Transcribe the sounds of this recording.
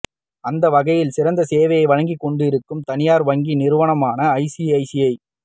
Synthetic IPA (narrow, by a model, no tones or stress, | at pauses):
ɐnd̪ɐʋɐɣɐjɪlsɪɾɐnd̪ɐseːʋɐjɐɪʋɐɻɐŋɡikːɔɳɖɯɪɾɯkːɯmt̪ɐnɪjaːɾʋɐŋɡinɪɾɯʋɐɳɐmaːnɐːɪsiɐɪsijɐɪ